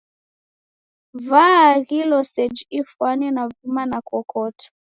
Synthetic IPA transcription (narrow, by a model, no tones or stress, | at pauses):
vaɣilɔsɛd͡ʒifwanɛnavimanakɔkʰɔtʰḁ